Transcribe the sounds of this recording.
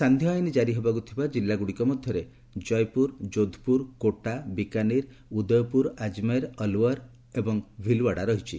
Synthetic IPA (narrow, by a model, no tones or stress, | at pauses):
sand̪ʱjɔjnid͡ʒaɾiɦebakut̪ʰibad͡ʒilːaɡuɽikɔmɔd̪ʱjɔɾe | d͡ʒɔjpuɾd͡ʒod̪ʱpuɾkoʈabikaniɾ | ud̪ɔjɔpuɾad͡ʒmaɾɔlwɔɾ | ebɔŋbʱilwaɽaɾɔɦit͡ʃʰḭ